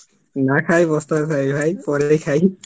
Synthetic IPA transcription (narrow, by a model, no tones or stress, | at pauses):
nakʰajbɔst̪akʰajbʱajpɔɹejkʰaj